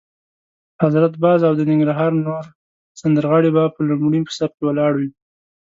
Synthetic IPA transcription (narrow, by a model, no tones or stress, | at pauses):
hazɾat̪bɑzawd̪ənɪŋɡɾaɦɑɾnoɾ | sand̪əɾɣɑɽebapəlumɽimpə̥sap̚kewalɑɽwi